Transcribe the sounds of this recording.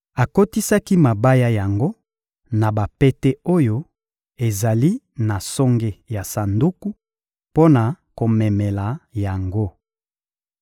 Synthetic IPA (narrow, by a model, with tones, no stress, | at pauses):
a˨ko˦ti˦sa˦ki˦ma˨ba˦ja˦ja˨ŋɡo˦ | na˨ba˨pe˦te˦o˦jo˦ | e˨za˨li˦ | na˨sɔ˦ŋɡe˦ja˨sa˨ndu˦ku˦ | po˦na˨ | ko˨mɛ˨mɛ˨la˨ja˨ŋɡo˦